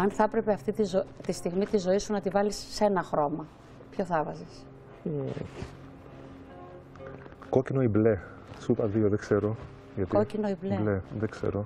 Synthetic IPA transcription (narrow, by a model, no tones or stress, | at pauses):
ɐnθɐpɾe̞peɐft̪it̪izot̪ist̪iɣmit̪izo̞isunɐt̪ivɐlisːe̞nɐxɾo̞mɐ | pço̞θɐvɐzis | ko̞cino̞ible̞ | supɐðio̞ðekse̞ɾo̞ | ʝɐt̪ikocinoibleleðekse̞̰ɾo̞